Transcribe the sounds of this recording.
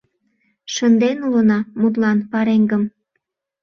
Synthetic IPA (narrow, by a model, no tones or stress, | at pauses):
ʃənd̪enulənɑmut̪̬lɑnpɑɾeŋɡəm